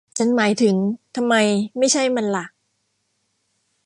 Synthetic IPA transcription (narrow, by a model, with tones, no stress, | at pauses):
t͡ɕʰa˦˥nmaː˩˦jt̪ʰɯ˩˦ŋt̪ʰa˧mːa˧jma˥˩jt͡ɕʰa˥˩jma˧nla˨˩ʔ